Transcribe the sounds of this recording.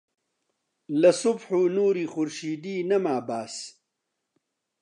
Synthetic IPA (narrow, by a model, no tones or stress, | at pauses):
lɐsʊbħuːnuːɾiːxʊɾʃiːd̪iːnɐmaːbaːs